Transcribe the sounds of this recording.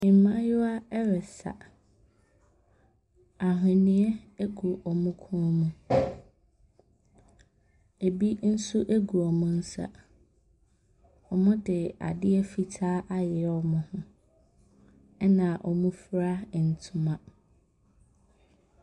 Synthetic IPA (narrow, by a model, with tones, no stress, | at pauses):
ɪ̃˨m˨mã˦jʊ˦a˦ɛ˦ɾɛ˨sa̰˨ | a˨ɦɪ̃˨nɪ̃˦ɛ˦e˦ɡu˨ʔɔ˨mũ˦kʰũ˦mũ˨ | e˨bi˦n̩˦su˦ʔe˦ɡu˨ɔ˨mʊ̃˦n̩˦sa̰˨ | ɔ˨mʊ̃˦dɪ˨a̰˨dɪ˦ɛ˦fi˨tʰaː˦ʔa˦jɪ˨ɔ˨mʊ̃˨hʊ̃˦ | ɛ˦nã˨ʔɔ˨mũ˦fɾa˦˨n̩˨tʰʊ̃˦mã˨